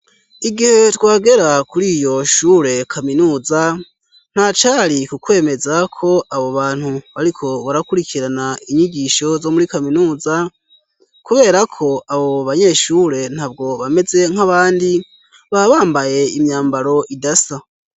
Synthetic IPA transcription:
iɡihe̞twaːɡe̞ɾakuɾiːjo̞ʃuːɾe̞kʰaminuːza | n̥hat͡ʃaɾikukwe̞ːme̞zakʰo̞ʔaβoβaːn̥huβaɾikʰo̞βaɾakuɾikʰiɾanaiɲiɟiʃo̞zo̞muɾikaminuːza | kuβe̞ːɾakʰo̞aβo̞βaɲe̞ʃuːɾe̞n̥haːb̚ɡo̞βame̞ze̞ŋ̥haβaːndi | βaβaːmbaje̞imɲaːmbaɾo̞ʔidasa

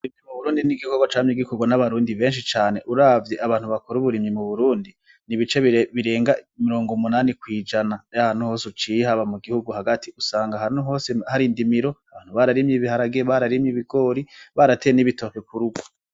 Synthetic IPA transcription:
βuɾimɲimuβuɾuːndiniɡihkɡoɡot͡ʃaːmɲeɡikʰoɡwanaβaɾuːndiβe̞ːnʃ̬it͡ʃaːne̞ʔuɾavje̞ʔaβaːnhuβakoɾuβuɾimɲimuβuɾuːndi | niβit͡ʃe̞βiβiɾe̞ːŋɡaimiɾo̞ːŋɡomunaːnikwiːd͡ʒanajahan̥uho̞ːsut͡ʃihaβamuɡihuɡuhaɡatiusaːŋɡahanuɦo̞ːsehaɾindimiɾo̞aβaːn̥huβaɾaɾimɲiβihaɾaɡeβaɾaɾimɲiβiɡo̞ːɾiβaɾateeniβito̞kekuɾuɡo

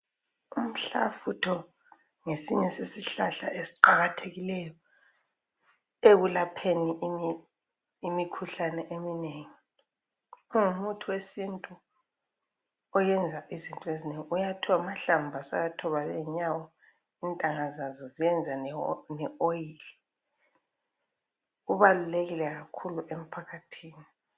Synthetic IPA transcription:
um̩ɬafutʰɔ | ŋesiɲɛsesiɬaɬaʔesi̥ǃaɣatʰeɣilɛjɔ | eɣulapʰenii | imikʰuɬanɛʔemineŋi | uŋumutʰuwesintʼu | ɔjɛnd͡zʱaʔizintʼuezineŋiujatʰuwamaɬambʱasɔjatʰɔβalɛɲawɔ | intʼaŋazazɔzijɛnd͡zʱanɛojili | ɣuβaluleɣilɛɣakʰuluʔem̩pʰakʰatʰiːni

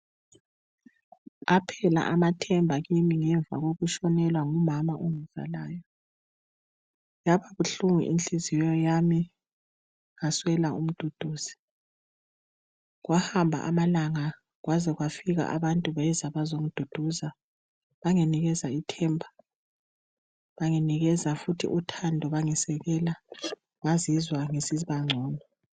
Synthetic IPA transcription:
apʰɛla̰ʔamatʰɛmbʱaɣimiŋɛɱva̰ɣoɣuʃɔnɛlwaŋumamaʔuŋɛv̥a̰laːjɔ | jaβaβuɬuŋḭʔinɬizijɔjami | ŋaswɛlaum̩d̥ʱod̥ʱuːz̥i̥ | ɣwahambʱa̰ʔamalaŋa | ɣwʔazɛɣwafiɣa̰ʔa̰βantʼuβajɛzaβazoŋud̥ʱod̥ʱuza | βaŋeniɣɛzaitʰɛːmbʱa | βaŋeniɣɛzafutʰḭʔutʰandʱɔβaŋɛsɛɣɛla | ŋazizwaŋesiβaŋ͡ǀʱɔːnɔ

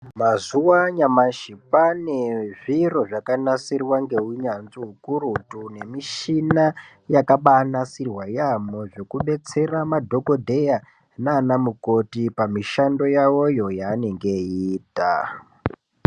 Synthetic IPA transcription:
mazuwaɲamaʃipane̞ʐiro̞ʐakanasirwaŋɡe̞uɲanziɦukuɾutune̞miʃina | jakaɓanasirwajamoʐe̞kuɓe̞t͡se̞ramadʱo̞ko̞dʱe̞ja | naːnamuko̞tipamiʃando̞jawo̞jo̞jaːne̞ŋɡe̞iːta

